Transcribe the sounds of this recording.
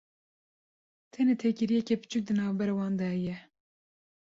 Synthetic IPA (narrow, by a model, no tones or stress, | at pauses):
t̪ʰɛnet̪ʰekiɾijɛkɛpɨ̥t͡ʃʰuk̚d̪ɨnɑːvbɛɾewɑːnd̪ɛhɛjɛ